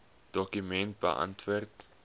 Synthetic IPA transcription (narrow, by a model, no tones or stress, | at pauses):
d̥ɔkymɛnt̚bə̰ʔɐ̰ntʋuərt